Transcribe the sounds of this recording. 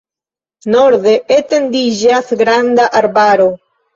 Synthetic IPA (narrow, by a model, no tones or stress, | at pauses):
noɾðeʔet̪end̪iʒaθɡɾand̪aʔaɾbaɾo